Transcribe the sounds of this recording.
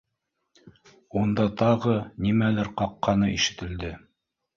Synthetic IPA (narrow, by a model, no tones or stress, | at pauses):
und̪ɑt̪ɑʁɤnimælɘɾqɑqːɑnɤʔiʃɘ̆t̪ɘ̆ld̪ɘ